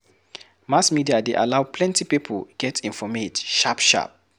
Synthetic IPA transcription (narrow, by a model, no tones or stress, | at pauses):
masmidiadeʔa̰lawpʰlɛ̃ntipipʰəlɡ̥ɛtʰĩnfɔmedʃapʃa̰p̚